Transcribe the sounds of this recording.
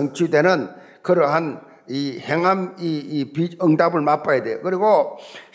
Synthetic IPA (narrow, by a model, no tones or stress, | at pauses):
ʌŋt͡ɕʰudenɯn | kɯɾʌɦan | iheŋɦamiːpiɯŋdabɯɭmap͈ajadejo̰kɯɾiɡo